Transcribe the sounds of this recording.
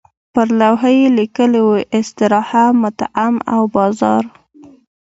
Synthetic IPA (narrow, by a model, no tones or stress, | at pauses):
pəɾlawɦəjelikəlewuʔɪst̪ɪɾɑhamʊt̪aʔama̰wbɑzɑ̰ɾ